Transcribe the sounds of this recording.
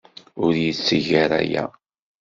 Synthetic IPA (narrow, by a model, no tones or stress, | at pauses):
ʊɾjət͡sːəʝaɾæ̰jæ̰